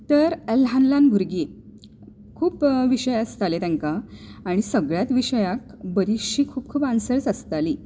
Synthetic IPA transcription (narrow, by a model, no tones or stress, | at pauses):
t̪əɾelɦanlanbʱuɾɡi | kʰuːpʋiɕəjəst̪alet̪jãŋkaːɽ̃isəɡɭjat̪ʋiɕəjakbəɾiɕiːkʰuːpkʰuːpansəɾt͡səst̪aliː